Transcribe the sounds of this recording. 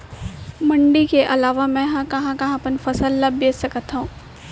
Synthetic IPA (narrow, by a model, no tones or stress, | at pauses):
mɐ̃ɳɖikeʔɐlaːʋamɛ̃ːɦãkɐɦãkɐɦãpənfɐsəlːɐbbeːssɐkət̪ɦũː